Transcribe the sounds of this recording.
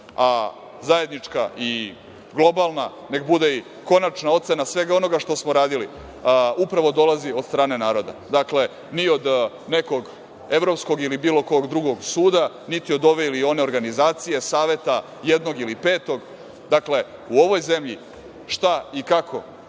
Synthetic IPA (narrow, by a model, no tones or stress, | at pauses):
a | zaje̞d̪nit͡ʂka̰ʔi | ɡlˠo̞balˠna | ne̞kbud̪ei | ko̞nat͡ʃnao̞t̪se̞nasʋe̞ɡao̞no̞ɡaʃt̪o̞smoɾaːd̪ili | upɾaʋo̞d̪o̞lazio̞d̪st̪ɾaːne̞naːɾo̞d̪a̰d̪akle̞ | nio̞d̪ | ne̞ko̞ɡ | e̞ʋɾo̞psko̞ɡilibiːlˠo̞kooɡd̪ɾuɡo̞ɡsuːd̪a | nit̪io̞d̪o̞ʋe̞ilio̞ne̞oɾɡanizaːt̪sije̞saːʋe̞t̪a | jed̪no̞ɡilipe̞ːt̪o̞ɡ | d̪akle̞uoʋo̞jze̞mʎi | ʃt̪aikakʰo̞̰